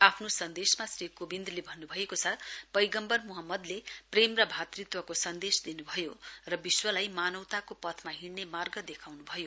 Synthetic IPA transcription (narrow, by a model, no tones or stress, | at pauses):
apʰnosʌnd̪esmasrikobind̪lebʱʌnːubʱʌekot͡sʰʌbʌjɡʌmbʌrmuɦʌmːʌd̪lepremrʌbʱat̪rit̪wʌkosʌnd̪esd̪inubʱʌjorʌbiswʌlajmanʌwt̪akopʌt̪ʰmaɦiɽnemarɡʌd̪ekʰawnubʱʌjo